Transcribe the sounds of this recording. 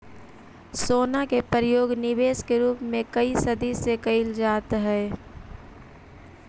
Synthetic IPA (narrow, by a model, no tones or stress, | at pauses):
soːnakepəɾjoːɡnɪʋeːskeɾuːpmẽkɐisɐd̪isekɐɪld͡ʒaːt̪ɦɛː